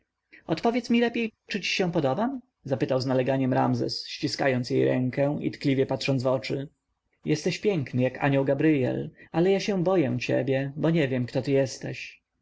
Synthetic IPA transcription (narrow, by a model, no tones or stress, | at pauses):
ɔt̪pɔvʲjɛt̪smʲilɛpʲjejt͡ʂɘt͡ɕi̥ɕɛ̃w̃pɔd̪ɔbam | zapɘt̪awznalɛɡaɲɛmɾa̰mzɛ̰sɕt͡ɕiska̰jɔnsjejɾɛ̰ŋkɛḭt̪klʲivʲjɛpat̪ʂɔnvɔt͡ʂɘ | jɛst̪ɛɕpʲjɛŋknɘjaka̰ɲɔwɡabɾɘjɛ̰lalɛjaɕɛ̃bɔjɛ̃t͡ɕɛ̰bʲjɛbɔɲɛvʲjɛmkt̪ɔt̪ɘjɛst̪ɛɕ